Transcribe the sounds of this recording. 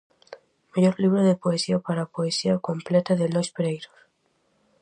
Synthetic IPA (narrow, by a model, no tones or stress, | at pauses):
maʝoɾliβ̞ɾoðepoesiapaɾapoesiakomplet̪aðelojspeɾejɾos